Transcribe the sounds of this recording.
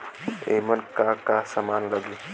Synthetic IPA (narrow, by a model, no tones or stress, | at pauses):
ḛmənkaːkasamaːnləɡiː